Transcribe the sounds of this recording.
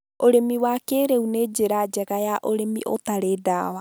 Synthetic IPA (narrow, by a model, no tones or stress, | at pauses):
oɾemiwakeɾeuneːd͡ʒeɾad͡ʒɛɣajaʔoɾemḭʔo̰taɾeːdaːwa